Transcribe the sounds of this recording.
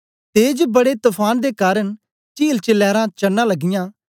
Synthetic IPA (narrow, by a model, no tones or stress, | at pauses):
t̪eːd͡ʒbəɽeːt̪ʊpʰaːnd̪eːkaːɾəɳ | t͡ʃiːlt͡ʃəlɛːɾãːt͡ʃənːãːləɡɪjãː